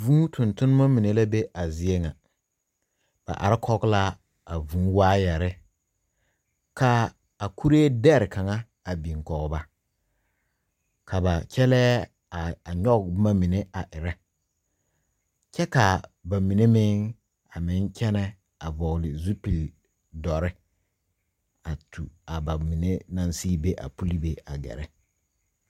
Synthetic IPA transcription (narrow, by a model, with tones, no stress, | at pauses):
vũ˦tʰʊ˨ntʊ˦n˦ma˦mi˨ne˦la˦be˦ʔa˨zɪ˨e˦ŋa˨ | b̥a̰˨ʔa̰˨ɾɪ˦kʰɔ˦ɡla˦ | a˨vũː˦waː˦jɛ˨ɾɪ˦ | kʰa˨ | a˨ku˦ɾe˦dɛ˦ɾɪ˨ka˨ŋa˦ | a˨bĩ˨ŋkɔ˨ɣba˨ | kʰa˨ba˨kʰɛ˦lɛː˦ | a˨ɲɔ˦ɡma˦mi˨ne˦a˨ʔɪ˨ɾɛ˦ | t͡ʃɛ˦ka˨ba˨mĩ˨ne˦mɪ̃˦ŋ | a˨mɪ̃˨˦n˦kʰɛ˦nɛ˦ | a˨vɔ˨ɣlɪ˨zu˦pi˨l | dɔ˨ɾɪ˦ | a˨tʰṵ˨a˨ba˨mi˨ne˦nã˦nsiː˦be˦ʔa̰˨pu˦li˦be˨a˨ɡɛ̰˨ɾɛ˦